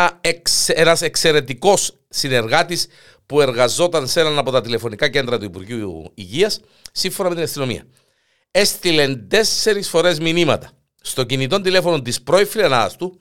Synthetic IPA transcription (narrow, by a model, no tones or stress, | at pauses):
kenɐse̞kse̞ɾe̞t̪iko̞s | sine̞ɾɣɐt̪is | pue̞ɾɣɐzo̞t̪ɐnse̞nɐnɐpo̞t̪ɐt̪ile̞fo̞nikɐce̞nd̪ɾɐt̪uipuɾʝiuuḭʝiɐsː | iɱfonɐme̞t̪inɐst̪ino̞mḭɐ̰ | e̞st̪ile̞nd̪e̞se̞ɾisfo̞ɾe̞zminimɐt̪ɐ̥ | st̪o̞cinit̪o̞nd̪ile̞fo̞no̞nt̪ispɾo̞ifilenɐɐ̰st̪u